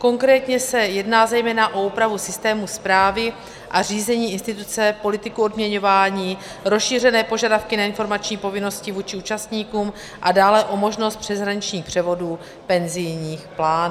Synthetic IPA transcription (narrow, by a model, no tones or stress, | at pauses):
ko̞ŋkɾɛːt̪ɲɛsɛjɛdnaːzɛjmɛːnaʔo̞uːpɾavusɪst̪ɛːmuspɾaːvɪ | ʔariːzɛɲiːɪnst̪ɪt̪ut͡sɛpo̞lɪt̪ɪkuo̞dmɲɛɲo̞vaːɲiː | ɾosʃiːr̝ɛnɛːpo̞ʒadafkɪnaɪnfo̞ɾmat͡ʃɲiːpo̞vɪno̞scɪvuːt͡ʃɪuːt͡ʃast̪ɲiːkuːm | ʔadaːlɛʔo̞mo̞ʒno̞st̪̚pr̝̥ɛzɦɾaɲɪt͡ʃɲiːxpr̥ɛvo̞duː | pɛnzɪjɲiːxplaːn